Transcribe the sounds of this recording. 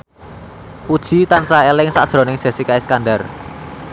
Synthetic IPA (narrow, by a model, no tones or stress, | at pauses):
ʔud̥ʒ̥i̤t̪ansaelɪŋsa̰d̥ʒ̥ɾɔ̤nɪŋd̥ʒ̥a̤sikaɪskandar